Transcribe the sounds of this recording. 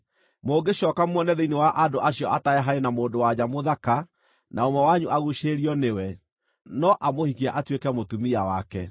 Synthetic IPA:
moːɡeɕɔːkamwɔnɛðeinewaʔadoʔaɕiɔataɛɦaɾenamoːndowad͡ʑamoðaka | naomɔwaɲuʔaɣuʃeɾiɔnewɛ | nɔʔamohikiaʔatwekɛmotumiawakɛ

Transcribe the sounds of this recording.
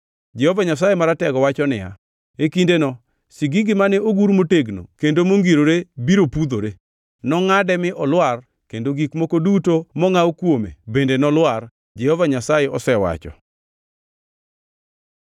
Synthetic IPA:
d͡ʒɛhɔvaɲasajemaɾatɛɡɔwat͡ʃɔnɪ̰ja̰ | ekindenɔ | siɡiɡɪmanɛoɡuɾmoteɡno̰kendomoŋɡiɾoɾebiɾopud̪oɾe | nɔŋadɛmɪʔɔlwar | kendoɡikmokodutomɔŋawkwomḛbendenɔlwar | d͡ʒɛhɔvaɲasajeɔsɛwa̰t͡ʃɔ̰

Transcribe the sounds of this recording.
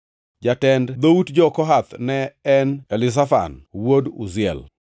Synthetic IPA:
d͡ʒatɛndd̪outd͡ʒɔkɔɦat̪nɛːnɛlɪs̬afa̰nwodṵzɪɛ̰l

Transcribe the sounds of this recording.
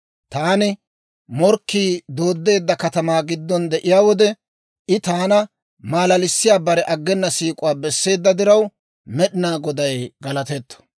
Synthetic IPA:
t̪aːnɪ | mɔɾkːiːd̪o̞ːd̪ːe̞ːd̪ːɐkɐt̪ɐmaːɡɪd̪ːɔnd̪ɛʔɪjaːwɔd̪ɛ | ʔɪt̪aːnɐ | maːlɐlɪsːɪjaːbɐɾɛʔɐɡːɛnːɐsiːkʼʊwaːbɛsːe̞ːd̪ːɐd̪ɪɾɐw | mɛɗɪnaːɡɔd̪ɐjɡɐlɐt̪ɛt̪ːɔ̥

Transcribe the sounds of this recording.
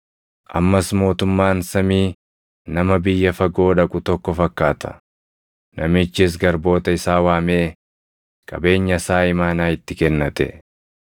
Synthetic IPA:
ʔɐ̰mːɐsmo̞ːt̪ʊmːaːnsɐmiː | nɐmɐbɪjːɐfɐɡo̞ːᶑɐkʼʊt̪ɔkːɔfɐkːaːt̪ʰɐ̥̰ | nʔɐmɪt͡ʃːɪs̬ɡɐɾbo̞ːt̪ɐɪsaːwaːmeː | kʼɐ̰be̞ːɲːɐsaːɪmaːnaːɪt̪ːɪkɛnːɐt̪ɛ̰

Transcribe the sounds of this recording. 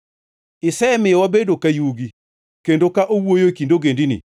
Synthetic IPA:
ɪsɛmɪjɔwabedokajuɡi | kendokaʔowojokindoɡendinḭ

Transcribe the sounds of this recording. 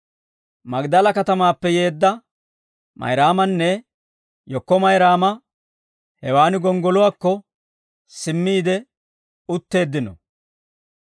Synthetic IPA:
mɐɡd̪ɐlɐkɐt̪ɐmaːpːɛje̞ːd̪ːɐ | mɐ̰jɾaːmɐnːɛ | jɔkːɔmɐjɾaːmɐ | hɛwaːnɪɡɔŋɡɔlʊwaːkːɔ | sɪmːiːd̪ɛ | ʊt̪ːe̞ːd̪ːɪnɔ̰

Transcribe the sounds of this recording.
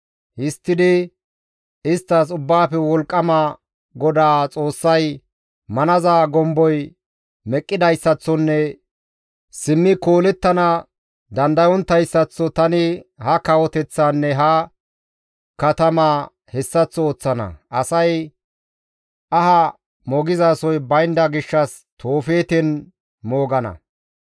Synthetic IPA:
hɪst̪ːɪd̪ɪ | ɪst̪ːɐs̬ʊbːaːpɛwɔlkʼːɐmɐ | ɡɔd̪aːt͡sʼo̞ːsːɐj | mɐnɐzaːɡɔmbɔj | mɛkʼːɪd̪ɐjsːɐt͡sːɔnːɛ | sɪmːɪko̞ːlɛt̪ːɐnɐ | d̪ɐnd̪ɐjɔnt̪ːɐjsːɐt͡sːɔt̪ɐnɪhɐkɐwɔt̪ɛt͡sːaːnːɛɦɐ | kɐt̪ɐmaː | hɛsːɐt͡sːɔoːt͡sːɐnɐ̰ʔɐsɐj | ʔɐɦɐ | mɔɡɪzaːsɔjbɐjnd̪ɐɡɪʃːɐs | t̪ʰo̞ːfe̞ːt̪ɛn | mo̞ːɡɐnɐ̰

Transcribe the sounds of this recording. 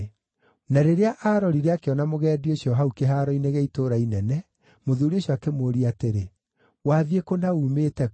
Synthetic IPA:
naɾeɾeaʔaɾɔɾiɾeakeɔnamoɣɛːdioɕjɔɦaukeɦaɾɔineɣɛitoːɾainɛnɛ | moðuːɾioɕjɔakemoɾiateɾe | waːðiekonauːmetɛ

